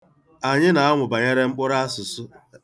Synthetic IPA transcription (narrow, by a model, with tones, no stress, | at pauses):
a˨ɲɪ˦na˨a˦ŋʷʊ˨ba˨ɲe˦ɾe˦ŋ͡m̩˦k͡pʊ˦ɾa˦a˦sʊ˨sʊ˦